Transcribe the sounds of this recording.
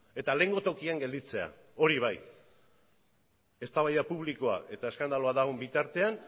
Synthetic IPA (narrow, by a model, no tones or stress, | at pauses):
e̞t̪ale̞ŋɡo̞t̪o̞kiaŋɡe̞ld̪it͡se̞a̰ | o̞ɾiβ̞aj | e̞st̪aβajapuβ̞liko̞a̰ʔe̞t̪ae̞skand̪alo̞aðaɣ̞o̞mbit̪aɾt̪e̞an